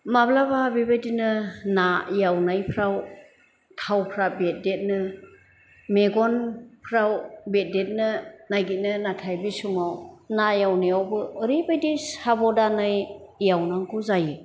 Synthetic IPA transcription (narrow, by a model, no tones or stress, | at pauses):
mablababibajdinɯnajawnajpʰɾaw | tʰawpʰɾabet̚det̚nɯ | meɡɔnpʰɾawbet̚det̚nɯnajɡit̚nɯnatʰajbisumawnajawnɯjawbɯːɾibajdisabɔdanɯjjawnaŋkʰuzajɯ